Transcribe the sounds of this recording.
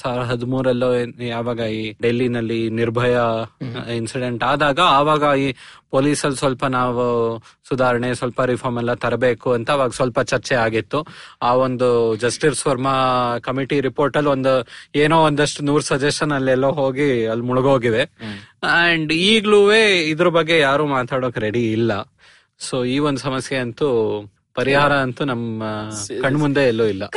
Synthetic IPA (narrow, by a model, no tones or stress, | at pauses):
saːɾɐɦɐd̪umuːɾɐlːujaːʋaːɡɐiːɖelːinɐlːiniɾbʱɐjɐ | insiɖe̞ɳʈaːd̪aːɡɐaːʋaːɡɐiːpoːliːsɐlsʋɐlpɐnaːʋusud̪ʱaːɾɐɳesʋɐlpɐɾipʰɐɾmɛlːɐt̪ɐɾɐbe̞ːkuɐnt̪ɐːʋaːɡɐsʋɐlpɐt͡ʃɐɾt͡ʃɛaːɡit̪ːuaːond̪ud͡ʒɐsʈiɾsʋɐɾmɐkɐmiʈiɾipo̞ːɾʈɐlːond̪ueːnoːond̪ɐʂʈunuːɾsɐd͡ʒesʈɐnɐlːɛlːoːɦo̞ːɡiɐlːmuɭuɡo̞ːɡid̪e̞ | ɐɳɖiːɡɭuʋe̞ːid̪ɐɾɐbɐɡːe̞jaːɾuːmaːt̪aːɽoːkɾeɽiːlːɐ | soːiːond̪usɐmɐsjeɐnt̪u | pɐɾiɦaːɾɐɐnt̪unɐmːɐkɐɳːmund̪e̞ːlːoːilːɐ